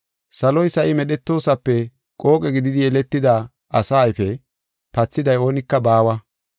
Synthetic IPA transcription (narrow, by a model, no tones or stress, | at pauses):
sɐlɔjsɐʔɪmɛɗɛt̪ːo̞ːsɐpːɛ | kʼo̞ːkʼɛɡɪd̪ɪd̪ɪjɛlɛt̪ːɪd̪a | ɐsaːjfɛ | pɐt͡sːɪd̪ɐjo̞ːnɪkːɐbaːwɐ